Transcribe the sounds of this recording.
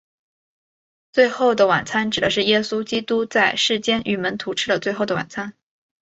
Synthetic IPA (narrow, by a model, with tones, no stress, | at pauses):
t͡swe˥˧ɪxo˥˩ʊd̪ə˩wa˨˩nt͡sʰa˥nʈ͡ʂɻ̩˨˩d̪ə˦ʂɻ̩˥˩jɛ˥su˥t͡ɕi˥t̪u˥t͡sa˥˧ɪʂɻ̩˥˩t͡ɕjɛ˥nʔy˨˩mə˧˥nt̪ʰu˧˥ʈ͡ʂʰɻ̩˥də˨t͡swe˥˧ɪxo˥˩ʊd̪ə˨wa̰˨˩nt͡sʰa˥n